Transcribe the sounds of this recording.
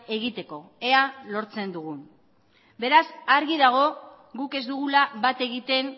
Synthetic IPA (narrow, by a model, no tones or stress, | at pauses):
e̞ɣit̪e̞ko̞e̞alo̞ɾt͡se̞nd̪uɣun | be̞ɾasaɾɣiðaɣ̞o̞ | ɣuke̞zd̪uɣ̞ulaβat̪e̞ɣit̪e̞n